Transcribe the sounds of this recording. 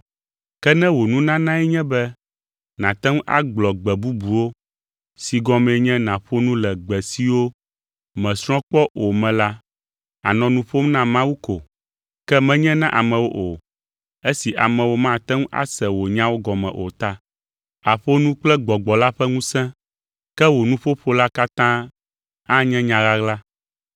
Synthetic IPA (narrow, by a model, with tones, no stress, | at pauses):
kɛ˦nɛ̃˦wo˨nũ˦nã˦nã˦ɛ˦ɲɛ̃˦bɛ˦ | nã˨t̪ɛ˦ŋ˦ʔa̰˦ɡ͡blɔ˨ɡ͡bɛ˨bu˦bu˨wo˦ | si˨ɡɔ˦mɛ̃˨ɲɛ̃˦nã˨ɸo˦nũ˦lɛ˨ɡ͡bɛ˨si˦wo˦ | mɛ̃˨sɾ̃ɔ̃˦k͡pɔ˦o˨mɛ̃˨la˦ | a̰˨nɔ̃˨nũ˦ɸo˦mnã˦mã˦wu˦ko˨ | kɛ˦mɛ̃˦ɲɛ̃˦nã˦ʔa˨mɛ̃˨wo˦ʔo˨ | e˦si˨ʔa˨mɛ̃˨wo˦mã˦t̪ɛ˦ŋ̃˦ʔa̰˦sɛ˨wo˨ɲã˦wo˦ɡɔ˨mɛ̰̃˨ʔo̰˨t̪a˦ | a˨ɸo˦nũ˦k͡plɛ˦ɡ͡bɔ˨ɡ͡bɔ˨la˦ɸɛ˦ŋũ˦sɛ̃˦ | kɛ˦wo˨nũ˦ɸo˦ɸo˦la˦ka˦t̪ã˦ | a˦ɲɛ̃˦ɲã˨ɣa˦ɣla˦